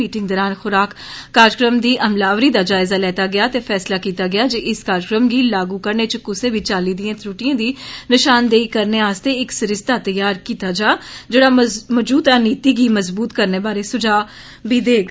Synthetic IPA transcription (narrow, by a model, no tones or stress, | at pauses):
iːʈɪ̃ŋɡd̪əːɾaːnxʊɾaːkːaːɾkɾəmd̪iːʔəmlaːʋɾiːd̪aːd͡ʒaːɪzaːlɛːt̪aːɡɪjaːt̪eːpʰɛːslaːkiːt̪aːɡɪaːd͡ʒeːʔɪskaːɾkɾəmɡiːlaːɡuːkəɾneːt͡ʃəkʊseːbiːt͡ʃaːliːd̪ɪjãːt̪ʰɾuːʈijãːd̪iːnɪʃaːnd̪eːiːkəɾneːaːst̪eːɪksɪɾɪst̪aːt̪əjaːɾkiːt̪aːd͡ʒaːd͡ʒeːɽaːməd͡ʒuːt̪aːniːt̪iːɡiːməzbuːt̪kəɾneːbaːɾeːsʊd͡ʒaː | bʱiːd̪eːɡ